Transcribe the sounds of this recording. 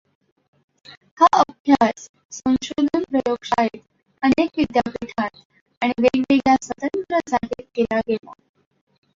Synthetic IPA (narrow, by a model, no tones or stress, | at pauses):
haəb̚ʱjas | sə̃w̃ɕod̪ʱənpɾəjoɡʂaɦet̪ | ənekʋid̪japiʈʰat̪ | aɽ̃iɡeɡɡeɡjasʋət̪ənt̪ɾəsaʈiːkelaɡela̰